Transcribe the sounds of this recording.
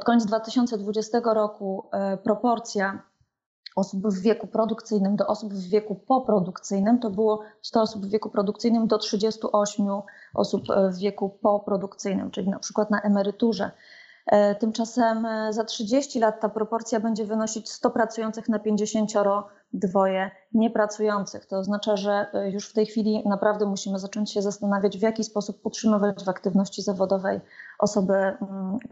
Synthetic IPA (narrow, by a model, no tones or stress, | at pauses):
pɔt̪kɔɲed̪d̪vat̪ɘɕɔnt̪sɛd̪vud͡ʑɛst̪ɛɡɔɾɔkupɾɔpɔɾt̪sʲja | ɔsubvːʲjɛkupɾɔd̪ukt̪sɘjnɘmd̪ɔʔɔsubvːʲjɛkupɔpɾɔd̪ukt̪sɘjnɘmt̪ɔbɘwɔst̪ɔɔsubvvʲɛkupɾɔd̪ukt̪sɘjnɘmd̪ɔtʂɘd͡ʑɛst̪uʔɔɕmʲjuʔɔ̰supvːjɛkupɔpɾɔd̪ukt̪sɘjnɘ̰mt͡ʂɘlʲinapʂɘ̥kwat̪naʔɛmɛɾɘt̪uʐɛ̰ | t̪ɘmt͡ʂasɛmzatʂɘd͡ʑeɕt͡ɕilat̪ːapɾɔpɔɾt̪sʲjabɛɲd͡ʑɛvɘnɔɕit͡ɕst̪ɔpɾat̪sujɔnt̪sɘxnapʲjeɲd͡ʑeɕeɲt͡ɕɔɾɔ | d̪vɔjɛ | ɲɛpɾat̪sujɔnt̪sɘxt̪ɔːznat͡ʂaʐɛjuʂft̪ɛjxfʲilʲinapɾavd̪ɛmuɕimɘzat͡ʂɔɲt͡ɕɕɛzast̪anavʲjad͡ʑvjakʲispɔsup̚utʂɘmɘvad͡ʑvakt̪ɘvnɔɕt͡ɕizavɔd̪ɔvɛjʔɔsɔbɘ